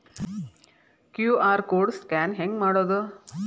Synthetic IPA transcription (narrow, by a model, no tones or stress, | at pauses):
kjuːaːɾkoːɾɖskæːnɦeŋɡmaːɽoːd̪u